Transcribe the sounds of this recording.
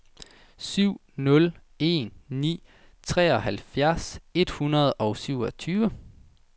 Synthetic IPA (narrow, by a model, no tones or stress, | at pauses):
syʊ̰ | nɔ̽l | e̝̰nːḭː | t͡sʰʁɛ̰ːɒ̽ɦælfjæɐse̝d̥hunɐð̞̩ˠɒʊsyʊ̰ɒ̽t͡sʰyːʋə